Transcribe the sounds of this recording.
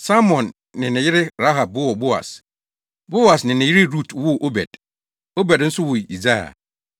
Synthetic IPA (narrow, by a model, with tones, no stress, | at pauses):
sa˦mɔ̃˨nː | ɪ̃˨nɪ̃˨jɪ˦ɾɪ˦ɾa˦ɦa˨b̚ʊ˦wɔ˨bo˦a̰˨s | bo˦a˨snɪ̃˨nɪ̃˨jɪ˦ɾɪ˦ɾu˦˨tʰwʊ˦ʔo˦bɛ̰˨d̥ | o˦bɛ˨dn̩˦sʊ˦wʊ˨i˨za˦ja̰˨